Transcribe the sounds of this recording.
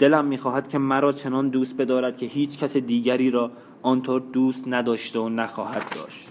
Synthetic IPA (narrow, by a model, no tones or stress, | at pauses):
d̪̥e̞læmːiːxɒːhæd̪̥cʲʰe̞mæɾɒːt͡ʃʰe̞nɒːnd̪uːst̪̚be̞d̪ɒːɾæd̪̥cʰe̞hiːt͡ʃʰcʰæsed̪iːɟæɾiːɾɒː | ɒnt̪ʰoːɾd̪uːst̪næd̪ɒːʃt̪eonæxɒːhæd̪ːɒ̰ːʃt̪